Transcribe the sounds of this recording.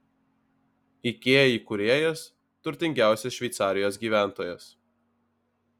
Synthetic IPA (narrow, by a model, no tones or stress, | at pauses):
ikʲeːjiːkʊɾʲeːjɛs | t̪ʊɾʲt̪ʲɪŋʲɡʲæˑʊsʲɛʃʲʋʲɛɪt̪sɑːɾʲɪjoːsɡʲiːʋʲæˑnt̪oːjɛs